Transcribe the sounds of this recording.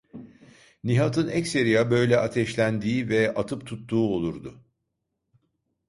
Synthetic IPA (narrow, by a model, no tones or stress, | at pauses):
niɦat̪ʰɯnɛcse̞ɾijabø̞jlʲɛat̪ʰɛʃlʲænd̪iːvɛat̪ʰɯpt̪ʰut̪ːuːo̞lˠuɾd̪ʊ